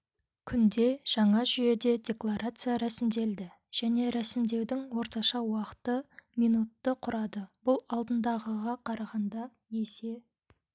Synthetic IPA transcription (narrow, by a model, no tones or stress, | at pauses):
kʲʰʏnd̪e̞ʒ̥ɑɴɑʒʏje̞d̪e̞d̪ʲe̞klˠaɾʔat̪sɨjaɾæsɪmd̪e̞ld̪ɪ | ʒ̥æne̞ɾæsɪmd̪e̞wd̪ɪŋwo̞ɾt̪ɑʃɑwɑqə̥t̪əmijnut̪ːəqʰʊɾɑd̪əbʊlˠɑlˠd̪ənd̪ɑʁəʁɑqʰɑɾɑʁɑnd̪ɑ | je̞se̞